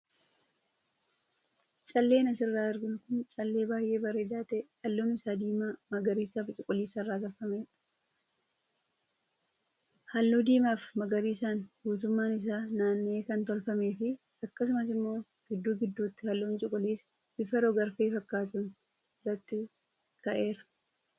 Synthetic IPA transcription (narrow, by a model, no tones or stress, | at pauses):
t͡ʃʼɐlːe̞ːnɐsɪrːaːɪɾɡɪnkʊnt͡ʃʼɐlːe̞ːbaːjʔe̞ːbɐɾeːd̪aːt̪ɛʔhɐlːoːnɪsaːd̪iːmaːmɐɡɐɾiːsaːft͡ʃʼʊkʼʊliːsɐrːaːɡɐlfɐmeːᶑɐ̥ | hɐlːuːd̪iːmaːfmɐɡɐɾiːsaːnbuːt̪̬ʊmːaːnɪs̬aːnaːnːeːkɐnt̪ɔlfɐme̞ːfɪ | ɐkːɐs̬ʊmɐs̬ɪmːo̞ː | ɡ̥ɪd̪ːuːɡɪd̪ːuːt̪ːɪ̥hɐlːoːnt͡ʃʼʊkʼːʊliːs | b̥ɪfɐɾɔɡɐɾfeːfɐkːaːt̪ʊn | rɐt̪ːɪ | kɐʔe̞ːɾɐ̥